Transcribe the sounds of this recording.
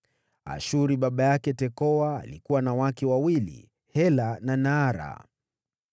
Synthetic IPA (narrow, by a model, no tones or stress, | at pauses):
a̰ʃuɾiɓaɓajakɛtɛkɔwa̰ːlikuwanawakɛwawilḭ | hɛlananaːɾa̰